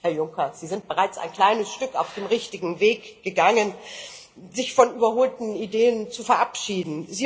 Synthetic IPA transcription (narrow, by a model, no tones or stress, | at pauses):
hɛɐjʊŋkɐz̥iːzɪnt̚b̥əʁaɪt͡sa̰ɪnkl̥aɪnəsʃtʏkaʊfd̥eːmʁɪçtɪɡŋ̩veːkɡ̥əɡaŋən | zɪçfɔnʔyːbɐhoːltn̩ideːənt͡sufɛɐʔapʃiːdn̩ziː